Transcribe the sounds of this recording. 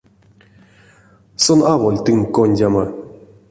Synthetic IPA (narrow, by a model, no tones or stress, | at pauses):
sɔnawolʲt̪ɨŋkonʲdʲama